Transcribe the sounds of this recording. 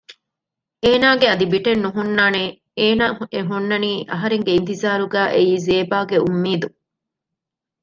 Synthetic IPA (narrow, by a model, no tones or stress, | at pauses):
eːnaːɡeɐd̪ibiʈenːuɦunːaːne | eːnaːeɦunːɐniːʔɐɦɐɾeŋɡeint̪izaːɾuɡæːʔejiːzeːbaːɡeumːiːd̪u